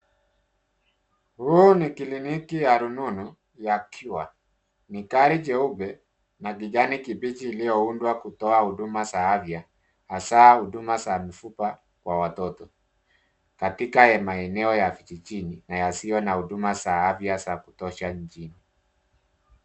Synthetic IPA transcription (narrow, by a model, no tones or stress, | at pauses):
hunikilinikijaɾununu | jakʰuwa | nikaɾid͡ʒɛubɛ | naɡiʄanikibit͡ʃiːlijɔundwakutɔahuɗumasaavja | hasahuɗumasamifupa | kwawatɔtɔ | katikaɛmaɛnɛɔjafit͡ʃit͡ʃininajasiɔnahuɗumasaavjasaku̥tɔʃaɲ̩t͡ʃini